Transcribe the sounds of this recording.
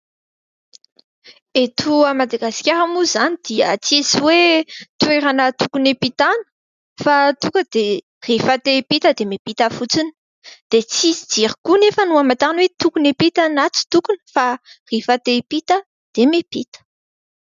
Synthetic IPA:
et̪ʰuamad̪aɡaskʲaɾamuzanid̪̥iət͡sisiwet̪uweɾanət̪ukunepit̪anə̥ | fat̪ukəd̪̥e | rifat̪epit̪əd̪emepit̪əfut͡sini̥ | d̪̥et͡sizid͡ziɾikunefənuamat̪aanwet̪ukunepit̪anat͡si̥t̪ukunə̥farifat̪epit̪ə | d̪̥emepit̪ə̥

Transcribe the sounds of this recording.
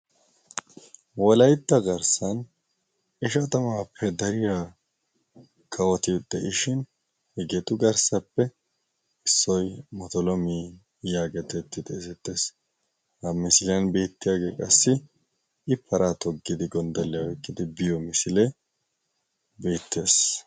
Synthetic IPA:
wɔlɐjt̪ːɐɡɐɾsɐn | ɪʃɐt̪ɐmaːpʰːɛd̪ɐɾɪjaː | kʼɐwɔt̪ɪd̪ɛʔɪʃɪn | hɛɡɛt̪ʼʊɡɐɾsɐpːɛ | ɪsːɔjmɔt̪ɔlɔmiː | jaːɡɛt̪ɛt̪ːɪt̪ʼɛsɛt̪ːe̞ːs | hɐmɪsɪljɐnbe̞ːt̪ːɪjaːɡe̞ːkʼɐsːɪ | ɪpʰːɐɾʔat̪ɔɡːɪd̪ɪɡɔnd̪ɐlːɪjɐwɔjkʼːɪd̪ɪbɪjɔmɪsɪlɛ | be̞ːt̪ːe̞ːs

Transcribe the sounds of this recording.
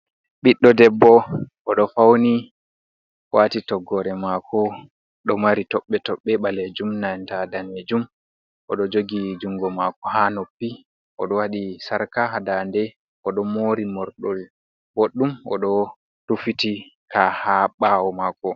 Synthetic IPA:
ɓiɗːɔdɛbːɔʔɔɗɔfawni | watitɔɡːɔɾɛmakʰɔ | ɗɔmaɾitɔɓːɛtɔɓːɛɓaled͡ʒumnantadaned͡ʒum | ʔɔɗɔd͡ʒoɡid͡ʒuŋɡɔmakɔhanopːi | ʔɔ̰ɗɔwaɗisaɾkaɦadandɛ | ʔɔɗɔmoːɾimɔɾɗɔl | boɗːumɔ̰ɗɔ | tufitikʰahaɓawɔmaːkɔ

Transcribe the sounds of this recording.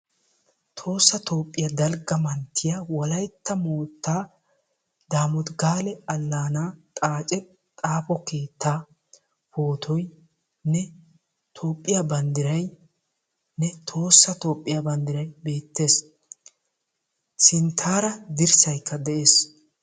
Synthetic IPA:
t̪ʰo̞ːsːɐt̪ʰo̞ːpʼːɪjɐd̪ɐlɡɐmɐnt̪ʰːɪjawɔlɐjt̪ʰːɐmoːt̪ːaː | d̪aːmʊt̪ɡaːlɛɐlːaːnaːt̪ʼaːt͡ʃʼɛ | t̪ʼaːpɔke̞ːt̪ːaː | poːt̪ʰɔj | nɛ | t̪ʰo̞ːpʼːɪjabɐnd̪ɪɾɐj | nɛt̪ʰo̞ːsːɐt̪o̞ːpʼːɪjabɐnd̪ɪɾɐjbe̞ːt̪ːe̞ːs | sɪnt̪ʰaːɾɐd̪ɪɾsɐjkːɐd̪ɛʔe̞ːs

